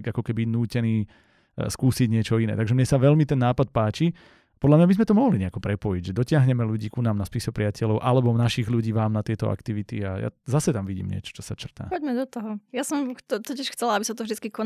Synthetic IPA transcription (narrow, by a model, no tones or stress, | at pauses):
ɡakɔkɛbinuːcɛniː | skuːsiɟɲɪɛt͡ʃɔinɛ̰ːt̪aɡʒɛmɲɛsaʋɛʎmit̪ɛnːaːpat̪̚paːt͡ʃi | pɔd̪lamɲabizmɛt̪ɔmɔɦliɲɛakɔpɾɛpɔjiɟʒɛd̪ɔcɪaɦɲɛmɛluɟiːkunaːmnaspisɔpɾɪacɛlɔʊʔalɛbɔnaʃiɣluɟiːʋaːmnat̪ɪɛt̪ɔʔa̰kt̪iʋit̪iaja̰zasɛt̪amʋiɟḭːmɲɪɛ̰t͡ʃɔ̥t͡ʃɔsat͡ʃr̩t̪a̰ːpɔɟmɛd̪ɔt̪ɔɦɔjasɔmt̪ɔt̪ɔcɪɛʃxt͡sɛlaabisat̪ɔvʒd̪it͡skikɔ